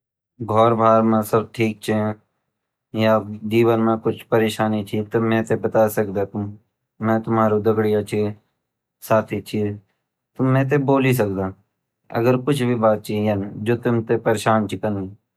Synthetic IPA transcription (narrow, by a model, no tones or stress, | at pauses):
ɡʱɔːɾbʱaːɾmẽsəbʈʰiːk̚t͡ʃʰĩ | jad͡ʒiːʋənmẽkʊt͡ʃʰpəɾeːʃaːnit͡ʃʰit̪omɛ̃ːt̪ebət̪asəkd̪at̪ʊm | mɛ̃ːt̪ʊmaːɾud̪əɡɽijat͡ʃʰi | saːt̪ʰit͡ʃʰi | t̪omɛ̃t̪̬eboːlis̬ək̚d̪aː | ə̰ɡəɾkʊt͡ʃʰbʱibaːt̪̚t͡ʃijənd͡ʒoːt̪ʊmt̪epəɾeːʃaːnt͡ʃʰikənɡi